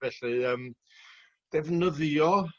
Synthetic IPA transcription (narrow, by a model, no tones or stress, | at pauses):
vɛɬɨəm | d̥ɛvnəðjɔ